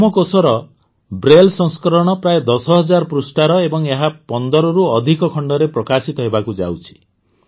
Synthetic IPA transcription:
mɔkosɔɾɔ | bɾelsɔ̃ŋskɔɾɔɽ̃ɔpɾaed̪ɔsɔɦɔd͡ʒaɾpɾusʈaɾɔebɔŋeɦapɔnd̪ɔɾɔɾuɔd̪ʱikɔkʰɔɳɖɔɾepɾɔkasit̪ɔɦebakud͡ʒa̰wt͡ʃʰi̥

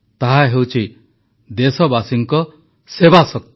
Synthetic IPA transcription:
t̪aɦaɦewt͡ʃʰi | d̪esɔbasiŋkɔ | sebasɔk̚t̪

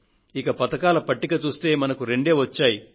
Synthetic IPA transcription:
ikɐpɐt̪ɐkaːlɐpɐʈːikɐt͡ʃuːst̪e̞ːmɐnɐkuɾe̞ɳɖe̞ːʋɐt͡ʃːaːji

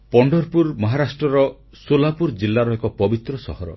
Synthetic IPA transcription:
pɔɳɖɔɾpuɾmɔɦaɾasʈɾɔɾɔ | solapuɾd͡ʒilːaɾɔekɔpɔbit̪ɾɔsɔ̰hɔɾɔ̰

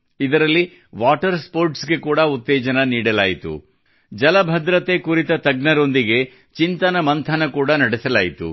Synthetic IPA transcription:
id̪ɐɾɐlːi | ʋaːʈɐɾspo̞ːɾʈsɡe̞kuːɽɐut̪ːɛːd͡ʒɐnɐniːɽɐlaːjit̪ṵ | d͡ʒɐlɐbʱɐd̪ɾɐt̪ekuɾit̪ɐt̪ɐɡnɐɾo̞nd̪iɡe̞ | t͡ʃint̪ɐnɐmɐnt̪ʰɐnɐkuːɽɐnɐɽisɐlaːjit̪ṵ

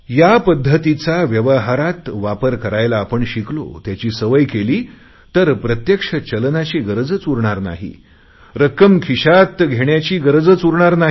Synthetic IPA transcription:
japəd̪ʱːət̪it͡saʋjəʋəɦaɾat̪ʋapəɾkəɾajlaːpəɳɕiklo̰t̪jat͡ɕiːsəʋəjkeliː | t̪əɾpɾət̪jəkʂət͡ɕəlnat͡ɕiːɡəɾəd͡zət͡suɾɳaɾna̰ɦḭ | ɾəkəmkʰiɕat̪ɡʱeɳjat͡ɕiːɡəɾəd͡zət͡suɾɳaɾnaɦi

